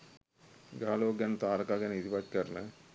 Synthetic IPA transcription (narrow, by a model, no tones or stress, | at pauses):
ɡaːloːɡɛnət̪aːɾɐkaːɡɛnəit̪ipat̪kəɾnə